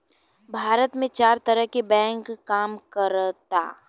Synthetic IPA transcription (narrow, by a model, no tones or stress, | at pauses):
bʱaːɾət̪mẽt͡ʃaːɾt̪ɐɾəɦkebɛ̃ːŋkːaːmkəɾt̪a̰ː